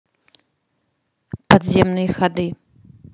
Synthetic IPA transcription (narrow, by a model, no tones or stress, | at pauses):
pad̪zʲemnɨjxad̪ɨ